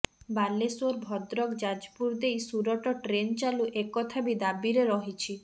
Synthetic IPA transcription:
balesɔɾbʱɔd̪ɾɔkd͡ʒad͡ʒpuɾd̪ejsuɾɔʈɔʈɾent͡ʃaluʔekɔt̪ʰabid̪abiɾeɾɔɦit͡ʃʰi

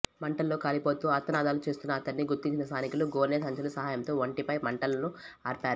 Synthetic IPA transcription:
mɐɳʈɐlːoːkaːlipoːt̪uːɐt̪ːɐnaːd̪aːlut͡ʃeːst̪unːɐːt̪ːɐnːiɡuɾt̪iɲt͡ʃinɐst̪aːnikuluɡoːnesɐɲt͡ʃɐlusɐɦaːjɐmt̪oːʋɐɳʈipɐjmɐɳʈɐlɐnu | aːɾpaːɾu

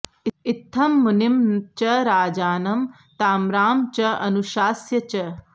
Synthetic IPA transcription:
iit̪ʰːɐmːunimt͡ʃɐɾaːd͡ʒaːnɐm | t̪aːmɾaːmt͡ʃɐɐnuʃaːsjɐt͡ʃɐ

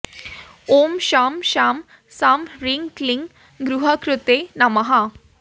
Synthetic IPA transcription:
omɕamɕam | samɾiŋkliŋɡ | ɡɾuɦakɾut̪enamaɦa

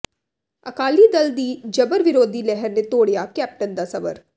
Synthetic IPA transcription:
əkaːliːd̪əld̪iːd͡ʒəbəɾʋɪɾoːd̪iːlɛɦəɾneːt̪oːɽijaːkɛːp̚ʈənd̪aːsɐbə̰ɾ

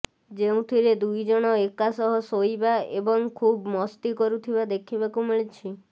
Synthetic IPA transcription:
d͡ʒeũt̪ʰiɾed̪ujd͡ʒɔɽ̃ɔekasɔɦɔsojbaebɔŋkʰubmɔst̪ikɔɾut̪ʰibad̪ekʰibakumiɭit͡ʃʰi

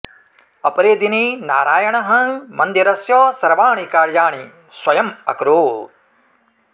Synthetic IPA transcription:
ɐpɐɾeːd̪ininaːɾaːjɐɳɐɦɐ̃mɐnd̪iɾɐsjɔːsɐɾʋaːɳikaːɾjaːɳi | swɐjɐmɐ̰kɾoː

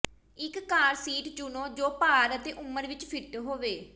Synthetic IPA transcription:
ɪkːaːɾsiːʈd͡ʒʊnoːd͡ʒoːpaːɾət̪eːʔʊməɾʋɪt͡ʃpʰɪʈɦoːʋeː

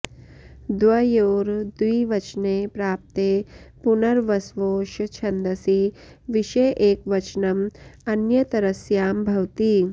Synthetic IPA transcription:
d̪ʋɐjoːɾd̪uiʋɐt͡ʃneːpɾaːp̚t̪eːpunɐɾʋɐsʋoːʃɐt͡ʃʰɐnd̪ɐsi | ʋiʃeːʔeːkʋɐt͡ʃnɐmɐnjɐt̪ɐɾɐsjaːmbʱɐwt̪i

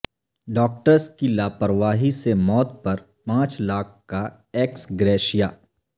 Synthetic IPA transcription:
ɖɔːk̚ʈəɾskilaːpəɾʋaːɦisemɔːt̪̚pɐɾ | pãːt͡ʃlaːk̚ʰka | eksɡɾɛːʃijaː

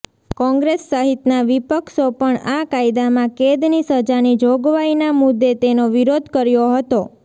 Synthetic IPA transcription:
kɔ̃ŋɡɾesːəɦit̪naʋipəkʃopəɳakaid̪amãked̪nisəd͡ʒanid͡ʒoɡʋainamʊd̪ːet̪enoʋiɾod̪ʱkəɾjoɦət̪o

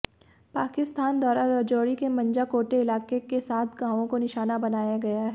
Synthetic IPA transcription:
paːkɪst̪aːnd̪ʱwaːɾaɾɐːd͡ʒoːɾikemɐ̃ɲd͡ʒakoːʈeɪlaːkekesaːt̪ʰɡãːʋõkonɪʃaːnabɐnaːjaɡɐjaɦɛː

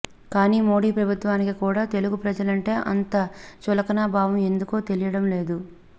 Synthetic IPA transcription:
kaːniːmo̞ːɽiːpɾɐbʱut̪ʋaːnikikuːɽaːt̪e̞luɡupɾɐd͡ʒɐlɐɳʈe̞ːʔɐnt̪ɐt͡ʃulɐkɐnaːbʱaːʋɐme̞nd̪ukoːt̪e̞lijɐɽɐmle̞ːd̪u

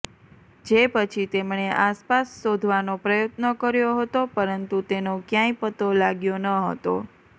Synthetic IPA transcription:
d͡ʒepət͡ʃʰit̪emɳeʔaspasːod̪ʱʋanopɾəjot̪nəkəɾjoɦət̪opəɾənt̪ut̪enokjãĩpət̪olaɡjonəɦə̰t̪o̰

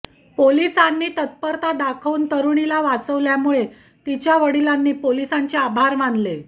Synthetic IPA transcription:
polisanːiːt̪ət̪̚pəɾt̪ad̪akʰunt̪əɾuɳilaʋat͡səʋljamuɭe | t̪it͡ɕjaʋəɽilanːiːpolisaɲt͡ɕeabʱaɾmanle

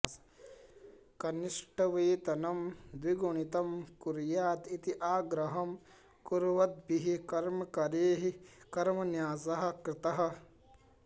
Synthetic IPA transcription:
s | kɐniʂʈɐʋiːt̪ɐnɐmd̪ʋiɡuɳ̃it̪ɐmkuɾjaːt̪it̪iʔaːɡɾɐɦɐm | kuɾʋɐt̪̚biɦikɐɾmɐkɐɾeːɦikɐɾmɐnjaːzɐɦɐ̆kɾɪt̪ɐɦɐ̆

